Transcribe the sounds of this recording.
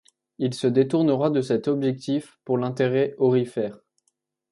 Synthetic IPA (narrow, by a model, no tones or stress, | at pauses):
ilsəd̪et̪uʁnəʁad̪əsɛt̪ɔbʒɛk̚t̪ifpuʁlɛ̃t̪eʁɛɔʁifɛːʁ